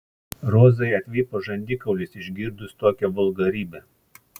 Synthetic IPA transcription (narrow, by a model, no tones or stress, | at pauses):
ɾoːzɐɪɐt̪ʲʋʲiːpoːʒɐnʲd̪ʲɪkɐʊlʲɪsɪʒʲɡʲiɾd̪ʊst̪oːkʲɛʋʊlˠɡɐɾʲiːbʲɛ